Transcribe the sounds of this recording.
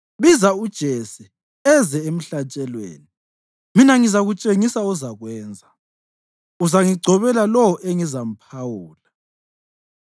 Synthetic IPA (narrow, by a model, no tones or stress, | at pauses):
βizaud̥ʒ̥ʱesi | ɛzɛem̩ɬat͡ʃʼɛlwḛːni | minaŋizaɣut͡ʃʼeŋisauzaɣwɛːnd͡zʱa | uzaŋiɡ͡ǀʱɔβɛlalɔwɔʔeŋizam̩pʰawuːla